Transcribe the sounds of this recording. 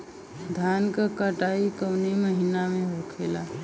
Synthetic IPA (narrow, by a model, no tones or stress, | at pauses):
d̪ʱjaːnkakəʈaːikəʊniməɦinamẽɦokʰela